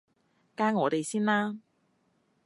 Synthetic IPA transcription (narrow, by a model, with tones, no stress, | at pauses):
kaː˥ŋɔː˨˧t̪e˨jsiː˥nlaː˥